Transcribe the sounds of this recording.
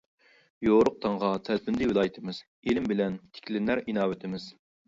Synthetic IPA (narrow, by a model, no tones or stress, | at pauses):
joɾʊq̚t̪ʰɑɴʁɑt̪ʰælpʰɪnd̪ɪwɪlˠɑːjit̪ʰɪmɪz̥ | elɪmbɪlɛnt̪ʰɪ̥kʲʰlɪnːæɾinɑːwɪt̪ʰɪmɪz̥